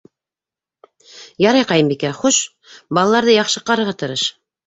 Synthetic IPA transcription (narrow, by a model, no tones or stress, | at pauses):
jɑɾɑjqɑjɤmbikæχuʃ | bɑlˠɑlˠɑɾðɤjɑχʃɤ̆qɑɾɤ̆ɾʁɑt̪ɤ̆ɾɤʃ